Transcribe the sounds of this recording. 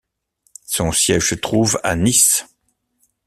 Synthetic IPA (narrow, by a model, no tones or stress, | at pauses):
sɔ̃sjɛʒsət̪χuva̰nis